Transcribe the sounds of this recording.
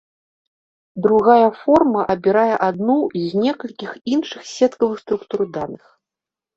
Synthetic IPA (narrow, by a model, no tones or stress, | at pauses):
d̪ɾuɣajɐfɔrmɐʔɐbʲiɾajɛʔad̪nuzʲnʲɛkɐlʲkʲixinʂɨxsʲɛt̪kɐvɨxst̪ɾukt̪urd̪anɨx